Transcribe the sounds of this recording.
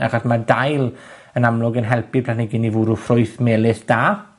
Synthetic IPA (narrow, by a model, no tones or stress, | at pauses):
a̰kasmadajlˠənamlˠʊɡənɦɛlˠpipʰlaniɡɪnivuɾufrʊɨθmeːlɪθd̥aː